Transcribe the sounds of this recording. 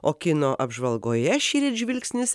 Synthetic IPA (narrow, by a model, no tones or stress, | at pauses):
oːkʲɪnoːʔɐbʒʋɐlˠɡoːjɛʃʲiːɾʲɪʒʲʋʲɪlʲksʲnʲɪs